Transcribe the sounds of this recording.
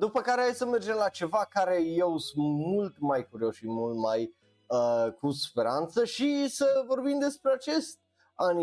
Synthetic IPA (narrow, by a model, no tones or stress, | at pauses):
d̪upəkaɾeajsəmerd͡ʒe̞mlat͡ʃe̞vakaɾe̞jewsumult̪majkuɾio̞sʃimult̪maj | əkuspe̞ɾant̪səʃisəvo̞rbimd̪e̞spɾeat͡ʃe̞st̪̚ | ani